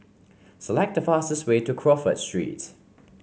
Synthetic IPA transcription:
səlɛk̚t̚dəfastəsweːtukʰɹɔfə̰tstɹ̥ḭːt

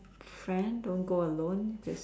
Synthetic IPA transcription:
fɹɛ̃ndõnɡoəlõnd͡ʒəs

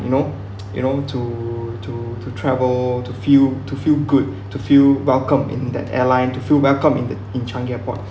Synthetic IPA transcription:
juno | jṵnotʰutʰutʰutʰɹɛvəltufiltufilɡud̚ | tufilwɛlkə̃mɪ̰̃ndɛ̰tɛ̰lãɪ̃ntufilwɛlkə̃mĩndə | ĩnt͡ʃãŋɡɛpɔ̰t̚

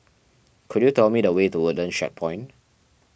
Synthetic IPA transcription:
kʰudjutɛlmidəwetuwudə̃nʃɛ̰t̚pʰɔ̃ɪ̃n

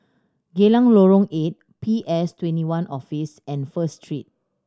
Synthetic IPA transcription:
ɡelãŋloɹõŋet̚ | pʰiʔɛstwɛ̃ntiwãnʔɔfisɛ̃nfəstʰɹit̚

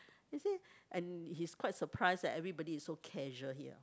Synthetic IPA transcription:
iseʔɛ̃nhiskwaɪtsəpʰɹaɪsdɛtɛvɹibɔdiːsːokʰɛʒəɦiə̰

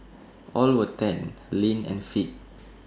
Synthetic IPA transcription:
ʔɔlwətɛ̃nlĩnɛ̰̃nfit̚

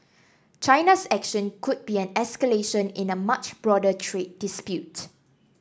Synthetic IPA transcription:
t͡ʃaɪnasɛkʃə̃nkʰʊd̚biɛ̃nɛskəleʃə̃nɪ̃nəmat͡ʃbɹɔdətʰɹet̚dispjut

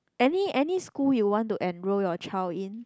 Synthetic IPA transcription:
ʔɛniɛniskuljuwɔ̃ntuʔɛ̃nɹojɔt͡ʃʰalĩn

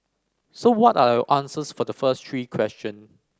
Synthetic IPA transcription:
sowɔtadawʔãnsəsfɔdəfəstʰɹiːkʰwɛst͡ʃə̃ns

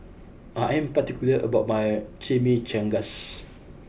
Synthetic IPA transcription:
ʔaɛ̃mpat̪ikjuləʔə̰baʊt̚majt͡ʃemit͡ʃɛ̃ŋɡas

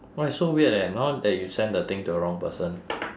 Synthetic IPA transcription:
waɪsowiədɛnɔt̚dɛt̚jusɛ̃ndət̪ɪ̃ŋtuəɹɔ̃ŋpəsə̃n

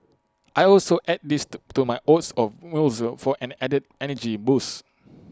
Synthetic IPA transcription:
ʔajɔlsoʔɛd̚distumaɪʔotsɔfwilsfɔʔɛ̃nɛdəd̚ɛnəd͡ʒibus

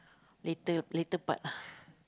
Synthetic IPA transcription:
lit̪əlit̪əpa̰t̪̚lah

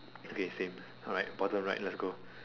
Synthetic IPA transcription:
okʰesẽm | ɔɹaɪt̚bɔtə̃mɹaɪt̚lɛtsɡo

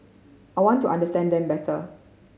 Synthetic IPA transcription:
ʔajwɔ̃ntːuʔãndəstɛ̃ndɛ̃mbɛtʰə

